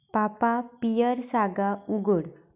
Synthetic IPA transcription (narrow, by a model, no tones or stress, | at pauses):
papapijəɾsaɡauɡuɽ